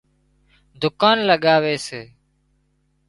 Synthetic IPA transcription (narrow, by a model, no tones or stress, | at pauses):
d̪ʊkaːnləɠaːʋeːseː